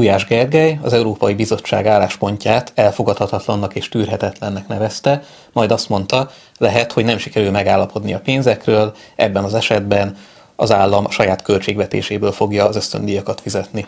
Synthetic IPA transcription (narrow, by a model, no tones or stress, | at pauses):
uːjaːʒɡɛrɡɛjɒzɛuɾoːpɒjibizo̞t͡ʃːa̰ːɡaːlːaːʃpo̞ɲcaːt̪ʰɛlfo̞ɡɒt̪hɒt̪hɒt̪lɒnːɒkeːʃt̪yːrɦɛt̪ɛt̪lɛnːɛknɛvɛst̪ɛ | mɒjd̪ɒst̪mo̞n̪t̪ɒ | lɛɦɛt̪ho̞ɟnɛmʃi̥kɛɾylmɛɡaːlːɒpo̞d̪niɒpeːnzɛkrøːl | ʔɛ̰bːɛnɒzɛʃɛd̪bɛn | ɒ̰zaːlːɒmɒʃɒjaːt̪kø̞lt͡ʃeːɡvɛt̪ḛːʃeːbøːlfo̞ɡjɒːzø̞st̪ø̰nd̪ijɒkɒt̪fizɛt̪ni